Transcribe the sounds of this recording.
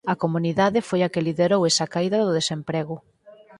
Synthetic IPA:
ɐkomuniðaðɪfojɐkeliðeɾowesɐkaiðɐðʊðesempɾeɣʊ

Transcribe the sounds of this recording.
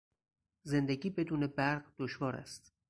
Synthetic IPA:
ze̞nd̪eɟiːbe̞d̪uːne̞bæɾɢd̪̥oʃvɒːɾæ̰st̪

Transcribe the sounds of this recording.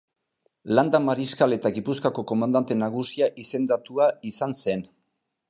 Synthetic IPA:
land̪amaɾiskale̞t̪aɣipuskako̞ko̞mand̪ant̪e̞naɣusiaʔise̞nd̪at̪uaisanse̞n

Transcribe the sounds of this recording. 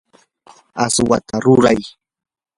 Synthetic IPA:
aswat̪ʰaɾʊɾaj

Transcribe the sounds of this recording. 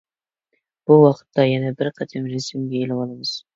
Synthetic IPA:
b̥uwɑqʰə̥t̪ʰːɑjænɛbɪɾqʰɑd̪ʰemɾesɪmɡʲeelɪbɑlˠɑmɨz̥

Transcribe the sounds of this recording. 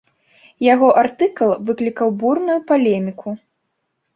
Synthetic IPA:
jaɣɔʔart̪ɨklˠvɨklʲikɐwburnujupalʲɛmʲikʰu

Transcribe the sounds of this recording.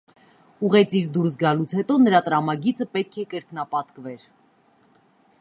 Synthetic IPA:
uʁɛt͡sʰiɾd̪uɾs̬ɡɑlut͡sʰhɛt̪ɔnəɾɑt̪ɾɑmɑɡit͡səpɛt̪̚kʰɛkəɾknɑpɑt̪kvɛɾ

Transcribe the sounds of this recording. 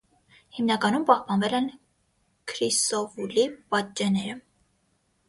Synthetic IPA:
himnɑkɑnumpɑhpɑnvɛlɛn | kʰɾist̪ɔvulipɑt̪̚t͡ʃːɛnɛɾə

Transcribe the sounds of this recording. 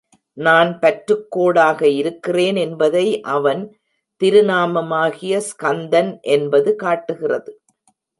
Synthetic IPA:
naːnpɐʈɾɯkːoːɽaːɣɐɪɾɯkːɪreːnɛnbɐðɐɪʔɐʋɐn | t̪ɪɾɯnaːmɐmaːɣɪjɐskɐnd̪ɐnʔɛnbɐðɯkaːʈːɯɣɪrɐðɯ

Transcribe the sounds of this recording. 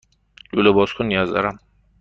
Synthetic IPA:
lulɐbɔskʰunjaza̰ɾam

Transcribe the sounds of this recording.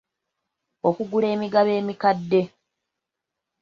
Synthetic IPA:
o̞kuɡuɾe̞ːmiɡaβe̞ːmikadːe̞

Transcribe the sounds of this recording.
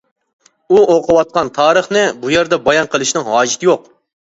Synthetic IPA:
uoqʰəwɑt̪̚qɑnt̪ʰɑːɾəχnɪbujeɾd̪ɛbɑjɑnqəlˠɨʃnɪŋɦɑːʒit̪ʰɪjoq

